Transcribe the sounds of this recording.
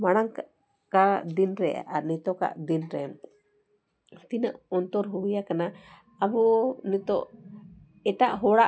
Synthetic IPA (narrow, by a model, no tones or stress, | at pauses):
maɽ̃aŋk | kad̪inɾɛa̰ʔaɾnit̪ɔka̰ʔd̪inɾɛ | t̪inaʔɔnt̪ɔɾɦuwijakana | aβɔnit̪ɔʔ | ɛʈaʔɦɔɽaʔ